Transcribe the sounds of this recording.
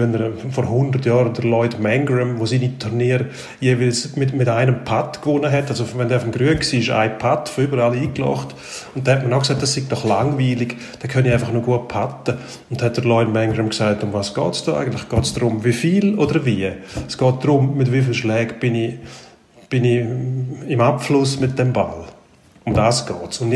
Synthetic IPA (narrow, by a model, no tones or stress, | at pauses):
ɛnəɾfɔɾhʊndərtjɔːɾəndəlɔɪdmɛŋɡɾɛmvosiːnitʰuɾniːəɾ | jeːvɪlsmɪtmɪtaɪnəmpʰatkvʊnəɦɛtːalsovɛndɛːfɔmɡɾyənksiːɪʃa̰ɪpʰatfoybəɾaliːklɔ̰χt | ʊnt̚dɛhɛt̚mənaʊks̬aɪt̚d̥asɪɡ̚d̥ɔχla̰ŋviːlɪɡ | d̥ɛkʰœniaɪfɐχnoɡuət̚pʰatə | ʊnthɛt̚d̥əlɔɪnmɛŋɾəmksaɪtʊmvaːsɡ̥ɔːtsd̥ɔʔa̰ɪɡən̩tlɪχɡ̥ɔːtsd̥ɾʊmvifiːlodəɾviəsɡ̥ɔːt̚d̥ɾʊmmɪtvɪfɪlʃlɛːkb̥ɪni | b̥ɪni | ɪmapflʊsmɪt̚d̥ɛmba̰l | ʊmd̥aːsɡ̥ɔːtsʊnd